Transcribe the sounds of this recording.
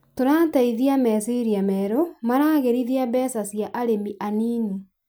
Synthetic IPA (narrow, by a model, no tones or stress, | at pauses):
tonataiðiamɛsiɾiamɛɾomanaːɣeɾiðiabɛsasjaʔaɾemiʔaniːni